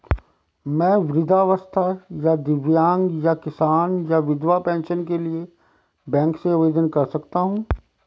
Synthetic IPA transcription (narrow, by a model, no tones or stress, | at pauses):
mɛ̃ːʋɾɪd̪ʱaʋəst̪ʰajad̪ɪʋjãːŋɡjakɪsaːnjaʋɪd̪ʋapɛ̃ːnʃənkelie | bɛ̃ːkseʊʋeːd̪ənkɐɾsɐkt̪aɦũː